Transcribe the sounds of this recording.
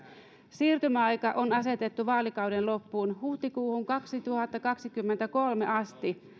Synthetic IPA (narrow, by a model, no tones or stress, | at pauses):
siːrt̪ymæɑjkɑʔonɑset̪et̪ːuʋɑːlikɑwdenlopːuːnhuht̪ikuːhuŋkɑksit̪uhɑt̪ːɑkɑksikymːent̪ækolmḛʔɑst̪i